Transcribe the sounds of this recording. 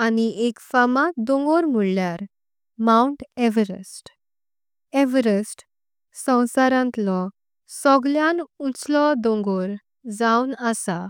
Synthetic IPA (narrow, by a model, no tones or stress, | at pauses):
aniekfamat̪d̪ɔ̃ŋɡɔɾm̤uɭljaɾ | mauɳʈɛʋəɾəsʈ | ɛʋəɾəsʈ | sə̃w̃saɾãnt̪lɔ | sɔɡljanut͡slɔd̪ɔ̃ŋɡɔɾ | d͡zawnəsa